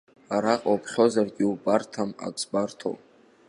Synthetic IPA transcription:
aɾaqʼawpʰχʲo̞zarɡʲiubartʰama̰ksbartʰo̰w

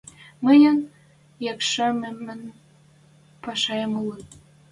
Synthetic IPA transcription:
məjən | jɑkʃɑmemːən | pɑʃɑjəmule

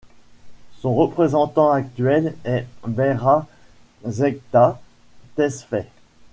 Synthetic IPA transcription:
sɔ̃ʁəpχezɑ̃t̪ɑ̃ak̚t̪ɥɛlɛbɛʁa | zɛk̚t̪a | t̪ɛsfɛ

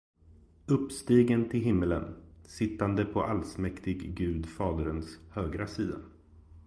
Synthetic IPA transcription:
ɵpːst̪iːɡənt̪ʰɪlɦɪmːələ̰nsɪt̪ːand̪əpʰɔʔalsmɛkt̪ɪɡːʉ̟ːd̪fɑːd̪əɾənshøːɡɾasiːd̪a

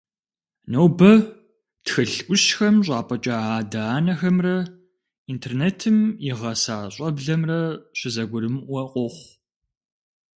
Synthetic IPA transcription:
nowbɐ | txɨɬʔʷʊɕxɐmɕ̬ʷʼɑːpʼɐt͡ʃʼaaːdaːnɐxɐmrɐ | intʰeːrneːtʰɨmjɪʁɐsaːɕʼɐbɮɐmrɐɕʷɪzɐɡʷʊɾɨmwɐqʷʼɔχʷ

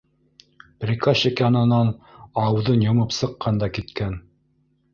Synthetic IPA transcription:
prʲikaɕikjɑnɤ̆nɑnɑwðɤnjŏmɤpsɤ̆qːɑnd̪ɑkit̪kæn

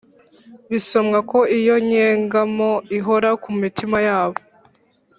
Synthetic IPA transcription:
βiso̞mɡako̞ijo̞ɲeːŋɡamoiɦoɾakumitʰimajaːβo̞

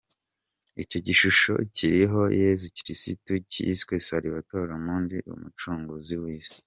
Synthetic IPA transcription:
ico̞ɟiʃuʃo̞̰ciɾiɦo̞jezuciɾisitucḭskwesaɾiβatoːɾamuːndiṵmut͡ʃuːŋɡuziwiːzi̥

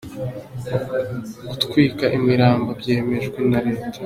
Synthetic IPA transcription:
ɡutkwiːkaʔimiɾaːmbabɟe̞ːme̞ʒɡwenaɾe̞ːtḁ

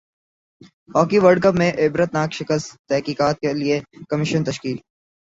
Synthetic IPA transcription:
ɦɔːkiʋəɾɖ̚kəpmẽʔɪbɾət̪naːkʃɪkəst̪t̪ɛɦkiːkaːt̪̚keliekɐmɪʃənt̪ɐʃkiːl

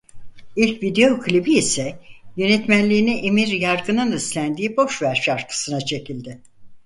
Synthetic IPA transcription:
ilʲcvid̪e̞jo̞kʰɯlʲibiisɛjø̞nɛt̪mænlʲiːniʔemiɾjaɾɡɯnɯnislʲænd̪iːbo̞ʃvæɾʃaɾkʰɯ̥sɯnat͡ʃʰe̞cilʲd̪ɪ

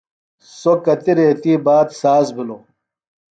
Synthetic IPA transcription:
sokɐt̪iɾeːt̪iːbaːt̪saːsbiloː

